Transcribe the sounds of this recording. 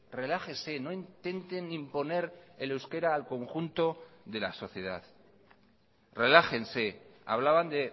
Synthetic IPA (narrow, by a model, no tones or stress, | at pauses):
re̞laxeseno̞int̪e̞nt̪e̞nimpo̞ne̞ɾelewske̞ɾaːlko̞ŋxunt̪o̞ðe̞laso̞θje̞ð̞að | re̞laxe̞nsea̰β̞laβand̪e̞